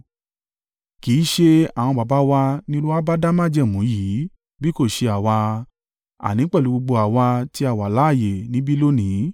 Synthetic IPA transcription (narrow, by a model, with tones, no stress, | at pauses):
ki˨˦ʃe˧a˨w̃ɔ̃˧ba˨ba˨˦wa˧nĩ˦lu˦a˦ba˦da˦mã˦˨d͡ʒɛ˦˨mũ˨˦ji˨˦ | bi˦ko˦˨ʃe˧a˨wa˧ | a̰˨nĩ˨˦k͡pɛ˦˨u˨˦ɡ͡bo˧ɡ͡bo˧a˨wa˧ti˦a˦˨wa˨la˨˦˨je˨nĩ˨˦bi˦lo˦nĩ˨˦